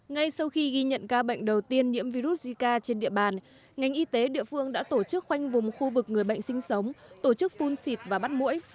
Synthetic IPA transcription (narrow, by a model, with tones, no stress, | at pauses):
ŋa˧jsa˧wxi˧ɣi˧ɲə̰˧˨nkaː˧ɓə̰˧˨jŋ̟ɗə˨˩wt̪i˧ənɲḭ˧˥əmvi˧ɾu˦˥t̚zi˧kaː˧t͡ɕe˧nɗḭ˧˨əɓaː˨˩n | ŋa˨˩jŋ̟ʔi˧t̪e˨˦ɗḭ˧˨əfɨ˧əŋɗa̰ː˧˥t̪o˧˩t͡ɕɨ˦˥k̚xwa˧jŋ̟vʊ˨˩ŋ͡mxu˧vɨ˨˩k̚ŋɨ˨˩əjɓə̰˧˨ŋsï˧ŋ̟sə˨˦wŋ͡mt̪o˧˩t͡ɕɨ˦˥k̚fu˧nsi˨˩t̚vaː˨˩ɓa˦˥t̚mṵ˧˥j